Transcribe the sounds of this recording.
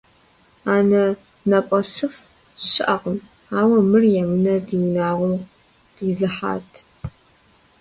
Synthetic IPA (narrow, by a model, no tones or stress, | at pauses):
aːnɐ | nɐpʷʼɐsɨf | ɕɪʔɐʁəm | aːwɐmɨrjɛmɨnɐdiwnaːʁʷu | r̥iːzɨħa̰ːtʰ